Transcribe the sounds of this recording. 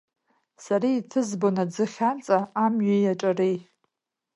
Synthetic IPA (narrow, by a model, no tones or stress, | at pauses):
saɾiːtʰɨzbonad͡zɨχʲant͡sʼaamɥajaʈ͡ʂʼarej